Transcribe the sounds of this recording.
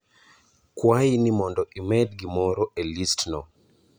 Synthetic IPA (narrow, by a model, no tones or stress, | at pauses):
kwainimɔndɔʔimɛdɡimɔɾɔelistnɔ